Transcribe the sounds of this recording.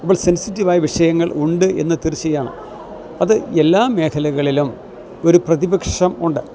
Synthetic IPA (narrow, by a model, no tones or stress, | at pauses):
ɐpːoɭse̞nsitːiʋaːjɐʋiʂɐjɐŋːɐɭuɳɖɨe̞̰nːɐt̪iɾit͡ɕːɐjaːɳɨ̰ | ɐðɨe̞lːaːme̞ːkʰɐlɐɣɐɭilum | o̞ɾuprɐðibɐkʂɐmuɳɖɨ